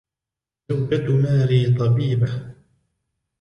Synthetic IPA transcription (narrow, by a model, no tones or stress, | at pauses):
ʊbːat̪maːɾiːt̪ˤɑbiːba